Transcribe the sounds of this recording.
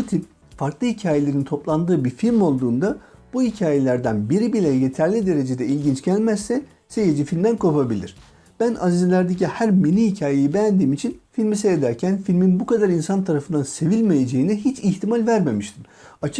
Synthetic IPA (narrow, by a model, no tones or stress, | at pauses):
but̪ʰip̚ | faɾklˠɯhicʰaːje̞lʲe̞ɾint̪ʰo̞plˠand̪ɯːbiɾfilʲmo̞lˠd̪uːnd̪ab̥uhicʰaːje̞lʲæɾd̪ænbiɾibilʲɛje̞t̪ʰæɾlʲid̪e̞ɾe̞d͡ʒe̞d̪ɛilʲɟint͡ʃɟ̥ælʲmæzsɛ | se̞jed͡ʒifilʲmd̪ænkʰo̞pabilʲḭɾ̥ | b̥ænazizlʲæɾd̪ecihæɾminʲihicʰaːjejibejænd̪iːmit͡ʃʰinfilʲmisejed̪æɾcʰænfilʲminbukad̪aɾinsant̪ʰaɾafɯnd̪anse̞vilʲme̞je̞d͡ʒe̞jiniɦit͡ʃʰiçt̪ʰimalʲvæɾme̞miʃt̪ʰim | at͡ʃʰ